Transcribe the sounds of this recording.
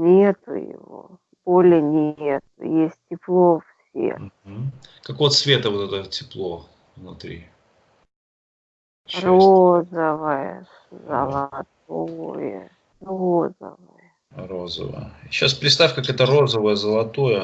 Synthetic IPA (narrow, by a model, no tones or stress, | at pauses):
nʲet̪ʊ̰jɪ̰vo̰ | b̥olʲɪnʲet̪̚ʊ̰jesʲtʲtʲɪplˠofssʲḛm̩kɐkovət̪svʲet̪əvot̪ɛt̪ətʲɪplˠo̞ | vnʊt̪ɾʲḭ | rozəvəjə | zə̰lˠɐt̪̚ojə̰ | rozə̰vəjə | rozə̰və̰jə̰ɕːaspɾʲɪt̪st̪afʲkakɛt̪əro̞zəvəjəzəlˠɐt̪ojə